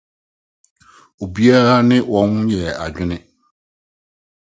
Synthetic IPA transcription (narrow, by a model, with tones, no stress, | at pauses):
o˨bi˦a˦ɾa˦nɪ̃˦wɔ˨nhʊ̃˦jɛ˨a˨d͡ʑᶣɪ˦nɪ̃˦